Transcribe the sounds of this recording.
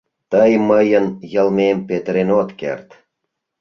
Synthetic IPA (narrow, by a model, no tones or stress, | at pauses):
t̪əjməjə̆njə̆lmempet̪əɾenot̪kḛrt̪